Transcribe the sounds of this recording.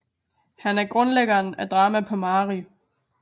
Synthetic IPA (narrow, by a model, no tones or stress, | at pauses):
hænæɐɡ̥ʁɔ̽nleɡ̥ɐːnæd̥ʁɑ̈ːmæpʰɒ̽mɑ̈ːʁi